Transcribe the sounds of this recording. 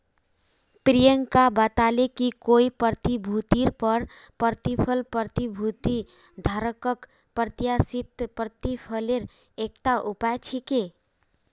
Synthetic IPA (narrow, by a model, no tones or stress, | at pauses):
pɾijəŋkabət̪alekikoːipəɾt̪ibʱut̪iɾpəɾ | pəɾt̪ipʰəlpəɾt̪ibʱut̪i | d̪ʱaɾəkək | pɾət̪jasit̪pɾət̪ipʰəleɾ | ek̚ʈ̪aʔʊpaet͡ʃʰike